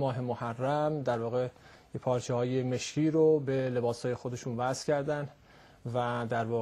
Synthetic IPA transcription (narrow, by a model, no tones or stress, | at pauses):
mɒːɦe̞mohærːæmd̪æɾvɒːɣeepʰɒːɾt͡ʃʰehɒːjeme̞ʃkiːɾobe̞le̞bɒːshɒːje̞xod̪e̞ʃuːnvæz̥cʲʰæɾd̪ænd̪ | væd̪æɾvɒː